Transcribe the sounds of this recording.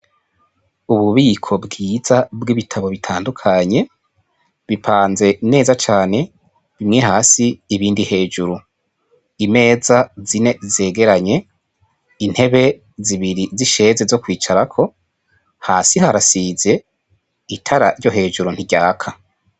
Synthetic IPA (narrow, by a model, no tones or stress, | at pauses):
uβuβiːkʰo̞bɡiːzabɡiβitʰaβo̞βitʰaːndukʰaɲe̞ | βipʰaːnze̞ne̞ːzat͡ʃaːne̞ | βimŋe̞ɦaːsiːβiːndihe̞ːʒuɾu | ime̞ːzazine̞ze̞ːɡe̞ɾaɲe̞ | in̥he̞βe̞ | ziβiɾiziʃe̞ːzezo̞kwiːt͡ʃaɾakʰo̞ | haːsihaɾasize̞ | itʰaɾaɾɟo̞ɦe̞ːʒuɾun̥iɟaːkʰa